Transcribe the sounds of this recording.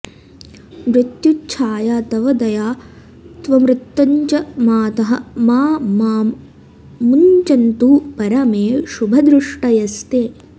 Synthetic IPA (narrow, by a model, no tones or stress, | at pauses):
mɾɪt̪jutːt͡ʃʰaːjaːt̪ɐʋɐd̪ɐjaː | t̪ʋɐmɾɪt̪ːɐɲt͡ʃɐmaːt̪ɐɦɐmaːmaːmː | unt͡ʃɐnt̪upɐɾɐmeːʃubʱɐd̪ɾɪʂʈɐjɐst̪eː